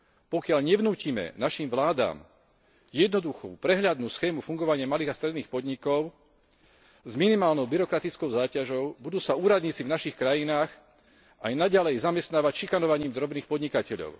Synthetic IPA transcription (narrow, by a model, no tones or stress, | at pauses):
pɔkɪaʎɲɛʋnuːcimɛ̰naʃimʋlaːd̪a̰ːm | jɛd̪nɔd̪uxṵːpɾɛɦʎad̪nuːsxɛːmufuŋɡɔʋaɲɪamaliːɣast̪ɾɛd̪niːxpɔd̪ɲikɔʊ | zminimaːlnɔʊbiɾɔkɾat̪it͡skɔʊzaːcaʒɔʊbud̪uːsauːɾad̪ɲit͡sivnaʃixkɾajinaːx | ajnaɟalɛjzamɛst̪naːʋacʃikanɔʋaɲiːmd̪ɾɔbniːxpɔd̪ɲikacɛʎɔ̰ʊ